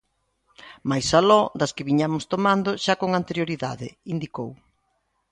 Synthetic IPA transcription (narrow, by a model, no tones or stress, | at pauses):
majsalɔd̪ɐskɪβiɲamʊst̪omand̪ʊʃakoŋant̪eɾjoɾiða̰ðɪind̪ikow